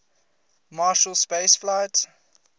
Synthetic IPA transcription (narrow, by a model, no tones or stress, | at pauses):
mɑːʃəlˠspeɪsflaɪt